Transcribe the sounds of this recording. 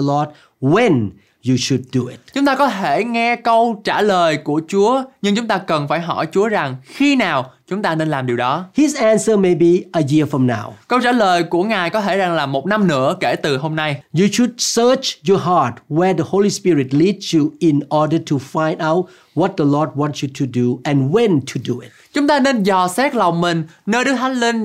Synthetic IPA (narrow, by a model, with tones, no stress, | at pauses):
əlɔd̚ | wɛ̃˨n | ju˨ʃu˨d̚ːuɪ̰t̚t͡ɕʊ˨˦ŋ͡mt̪aː˧kɔ˨˦t̪ʰe˧˩ŋɛ˧kə˧wt͡ɕaː˧˩ləː˨˩jku˧˩ət͡ɕu˨˦əɲɨ˧ŋt͡ɕʊ˨˦ŋ͡mt̪aː˧kə˨˩nfaː˧˩jɦɔ̰˧˩jt͡ɕu˨˦əza˨˩ŋxi˧naː˨˩wt͡ɕʊ˨˦ŋ͡mt̪aː˧ne˧nlaː˨˩mɗi˨˩əwɗɔ˨˦hisɛ̃nsəme˨bi˨ʔəji˧əfɹɔ̃˨mna̰˧wkə˧wza̰˧˥ləː˨˩jku˧˩əŋaː˨˩jkɔ˨˦t̪ʰe˧˩za˨˩ŋlaː˨˩mo˨˩t̚na˧mnɨ̰˧˥əke˧˩t̪ɨ˨˩ɦo˧mna˧jju˨ʃu˨d̚sət͡ʃjɔɦat̚wɛ˧dəholispiɹɪt̚lidsjuɪ˨nɔdətʰufã˧j̃ndaʊt̚ | wɔt̚d̪əlɔd̚wɔ̃nsjutʰuduɛ̃˨nwɛ̃ntʰuduɪ̰t̚ | t͡ɕʊ˨˦ŋ͡mt̪aː˧ne˧nzɔ˨˩sɛ˦˥k̚la˨˩wŋ͡mmi˨˩ŋnəː˧jɗɨ˦˥əkhʰa˦˥li˧ŋ